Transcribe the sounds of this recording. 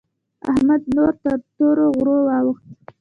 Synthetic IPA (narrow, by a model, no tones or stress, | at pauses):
a̰hmad̪̚noɾt̪əɾt̪oɾoɣɾowɑwəxt̪̚